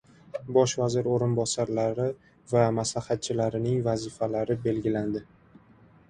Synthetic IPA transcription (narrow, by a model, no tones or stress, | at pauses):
bɒʃvazɪɾoɾɪnbɒsaɾlaɾɪ | vamaslahat̪̚t͡ʃʰɪlaɾɪnɪŋvazɪfalaɾɪbe̞lɡʲɪland̪ɪ